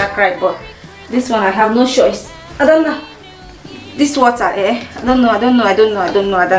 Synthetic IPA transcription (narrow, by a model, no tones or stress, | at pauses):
akɹaɪbɔ | diswɔ̃naɪɦavnot͡ʃɔjs | aɪdõnːa | diswɔtaʔɛaɪdõnːoajdõnːnoajdõnnoajdõnnoadɔ